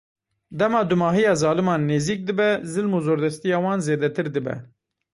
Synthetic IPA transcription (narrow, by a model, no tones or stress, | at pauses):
d̪ɛmɑːd̪umɑːɦijɑːzɑːlɨmɑːnːeːziːk̚d̪ɨbɛzɨlmuːzoːɾd̪ɛst̪ijɑːwɑːnzeːd̪ɛt̪ʰɨɾd̪ɨbɛ̰